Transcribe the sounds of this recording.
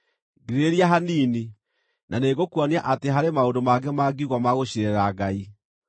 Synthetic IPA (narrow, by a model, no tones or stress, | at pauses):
ɡeɾeɾiaɦaniːni | naneɣokwaniaʔateɦaɾemaondomaɡɛmaɡiuɣwamaɣoɕiɾɛɾaɡai